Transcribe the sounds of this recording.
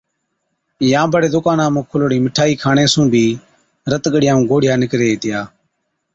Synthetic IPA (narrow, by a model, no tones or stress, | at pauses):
jãːbəɽeːd̪ʊkãːnãːmũːkʰʊloɽĩːmɪʈʰaːiːkʰaːɳẽːsũːbʱiː | ɾət̪ɠəɽɪjãːũːɡoːɽɪjaːnɪkɾeːeːt̪ɪjaː